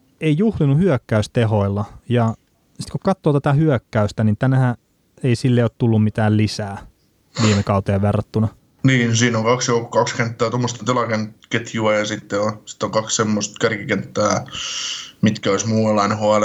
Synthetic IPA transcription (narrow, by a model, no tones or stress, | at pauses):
eijuhlinuhyøkːæyst̪eɦoilːɑjɑ | si̥t̪kukɑt̪ːoːt̪æt̪æhyøkːæyst̪ænint̪ænæhæ | eisilːeiot̪t̪ulːummit̪æːllisæː | ʋiːmekɑut̪eɑʋʋerːɑt̪ːunɑ | niːnsiːnoŋkɑksjokokkɑkskent̪ːæːt̪omːost̪ent̪elɑkenket̪ʰjuɑjɑsit̪ːeosi̥t̪ːˑoŋkɑkssemːost̪kærkikent̪ːæː | mit̪kæoismuːelːˑɑinehoɑle